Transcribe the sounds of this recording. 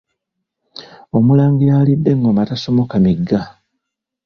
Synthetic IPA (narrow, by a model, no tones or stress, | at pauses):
o̞mulaːŋɡijalidːe̞ŋɡomatasomokamiɡːa